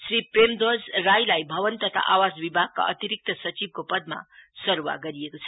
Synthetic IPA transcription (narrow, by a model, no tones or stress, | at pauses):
sripremd̪od͡zrajlajbʱʌβʌnt̪ʌt̪ʰa̰ʔawasbibʱaɡ̚ka̰ʔʌ̰t̪iɾik̚t̪ʌsʌt͡sib̚kopʌd̪̚ma̰sʌɾuwa̰ɡʌɾiekot͡sʰʌ̥